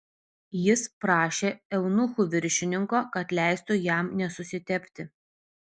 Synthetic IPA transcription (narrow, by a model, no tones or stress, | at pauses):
jɪspɾɑːʃʲeːɛʊnʊxuʋʲɪɾʲʃʲɪnʲɪŋkoːkɐt̪lʲæˑɪst̪ʊjæˑmnʲɛsʊsʲɪt̪ʲɛpʲt̪ʲɪ